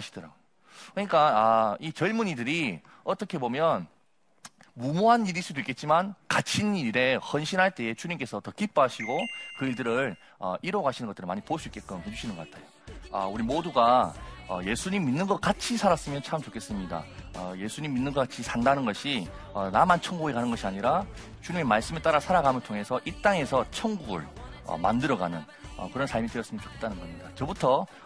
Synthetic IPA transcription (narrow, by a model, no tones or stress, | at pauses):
aɕʰi̥d̥ʌɾa̰ɡo | kɯɲik͈aait͡ɕʌɭmunidɯɾi | ʌt͈ʌkʰe̞bomjʌn | mumuɦaniɾis͈udoik͈et̚t͡ɕ͈imankat͡ɕʰiniɾe̞hʌnɕʰinɦaɭt͈e̞et͡ɕuɲimk͈e̞sʰʌtʌkip͈oɦaɕʰiɡokɯiɭdɯɾɯɾ | ʌ̰iɾoɡaɕʰinɯnɡʌtɯɾɯɭmaɲipos͈uik͈e̞t̚k͈ʌnmid͡ʑuɕʰinɯnɡʌk͈atʰajo | a̰uɾimoduɡaʌje̞sʰuɲimːinːɯnɡʌk̚k͈at͡ɕʰisʰaɾas͈ɯmjʌnt͡ɕʰamt͡ɕokʰe̞s͈ɯmɲida̰ʌje̞sʰuɲimːinːɯnɡʌk͈at͡ɕʰisʰandanɯnɡʌɕʰi | ʌnamant͡ɕʰʌŋɡuɡekanɯnɡʌɕʰiaɲiɾa | t͡ɕuɲimemaɭs͈ɯmeɭt͈aɾasʰaɾaɡamjɯntʰoŋe̞sʰʌʔit͈aŋe̞sʰʌt͡ɕʰʌŋɡuɡɯ̰ɭʌ̰mandɯɾʌɡanɯn | ʌ̰kɯɾʌnsʰaɭmidwejʌs͈ɯmjʌnt͡ɕo̥kʰe̞t͈anɯnɡʌmɲidat͡ɕʌbutʰʌ